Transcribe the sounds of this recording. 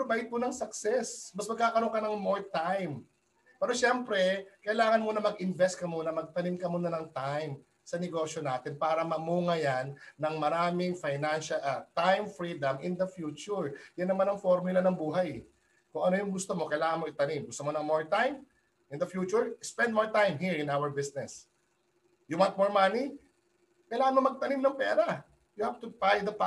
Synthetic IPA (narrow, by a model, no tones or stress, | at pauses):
pbajt̪̚kʊnɐŋsɐksɛsmɐsmɐɡ̚kaːkɐɾoŋkɐnɐŋmoɹt̪ajm | pɛːɾoʃɛmpɾɛkɐʔɪlaːŋɐnmuːnɐmɐɡɪnvɛst̪̚kɐmuːnɐmɐɡ̚t̪ɐnɪmkɐmuːnɐnɐŋt̪ajm | sɐnɛɡo̞ːʃjo̞naːt̪ɪnpaːɾɐmɐmuːŋɐjanːɐŋmɐɾaːmɪŋfajnanʃɐʔt̪ajmfɾiːd̪ɐmɪnd̪ɐfjuːt͡ʃʊɹjɐnːɐmanɐŋfoɾmʊlɐnɐŋbuːɦɐj | kʊŋɐno̞jʊŋɡʊst̪omo̞kɐjlaːŋɐnmoɪt̪ɐnimɡʊst̪omonɐŋmoɹt̪ajm | ɪnd̪ɐfjuːt͡ʃʊɹspɛnd̪̚moɹt̪ajmɦiɹɪ̃nawəɹbɪsnɛs | jʊwant̪̚moɹmani | kɐjlaːŋɐnmo̞mɐɡ̚t̪ɐnimnɐŋpɛːɾɐ | jʊhavt̪ʊpajd̪ɐp